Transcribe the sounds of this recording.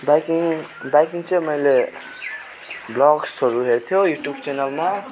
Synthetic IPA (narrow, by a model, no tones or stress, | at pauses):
bakiŋbajkiŋt͡sʌmʌjle | blɔɡsʌɾuɦeɾt̪ʰijojuʈjubt͡ʃɛnalma